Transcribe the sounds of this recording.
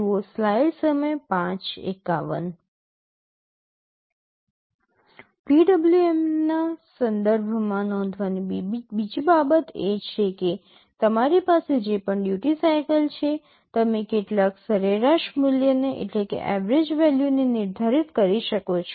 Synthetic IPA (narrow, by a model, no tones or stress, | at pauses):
oslailsəməjpãt͡ʃḛka̰ʋə̰n | piɖəbljuemnasənd̪əɾbʱmãnɔ̃nd̪ʱʋanibid͡ʒibabət̪et͡ʃʰeke | t̪əmaɾipased͡ʒepəɳɖjuʈisajkəlt͡ʃʰe | t̪əmekeʈlaksəɾeɾaʃmʊljəneʔḛʈlekḛʔɛʋɾed͡ʒʋɛljunenɪɾd̪ʱaɾit̪kəɾiʃəkot͡ʃʰ